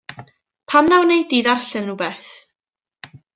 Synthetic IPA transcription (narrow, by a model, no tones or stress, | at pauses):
pʰamnawnejdiːðarɬɨnnubɛθ